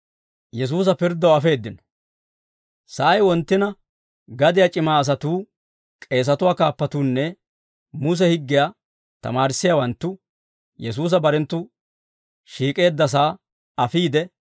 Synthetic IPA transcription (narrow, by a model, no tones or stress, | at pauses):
jɛs̬uːs̬ɐpɪɾd̪ːɐwɐfe̞ːd̪ːɪnɔ̥ | sɐʔɐjwɔnt̪ːɪnɐ | ɡɐd̪ɪjat͡ʃʼɪmaːɐs̬ɐt̪uː | kʼe̞ːs̬ɐt̪ʊwaːkaːpːɐt̪uːnːɛ | mʊs̬ɛhɪɡːɪjaː | t̪ɐ̰maːɾɪsːɪjawɐnt̪ːʊ | jɛs̬uːs̬ɐbɐɾɛnt̪ːʊ | ʃiːkʼe̞ːd̪ːɐs̬aː | ɐfiːd̪ɛ